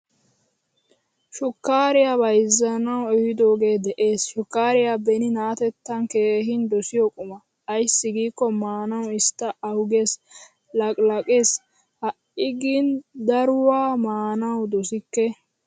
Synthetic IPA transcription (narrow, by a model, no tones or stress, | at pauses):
ʃʊkːaːɾɪjabɐjzːɐnɐwɛhɪd̪o̞ːɡe̞ːd̪ɛʔe̞ːsʃʊkːaːɾɪjabɛnɪnaːt̪ɛt̪ːɐnke̞ːɦɪnd̪ɔsɪjɔkʼʊmɐː | jsːɪɡiːkːɔmaːnɐwɪst̪ːɐɐwɡes | lɐkʼlɐkʼeːs | hɐʔɪɡind̪ɐɾʊwaːmaːnɐwd̪ɔsɪkːɛ